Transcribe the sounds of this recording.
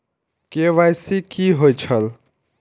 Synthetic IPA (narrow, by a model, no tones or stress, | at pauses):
keʋajsikiɦojt͡ʃʰəl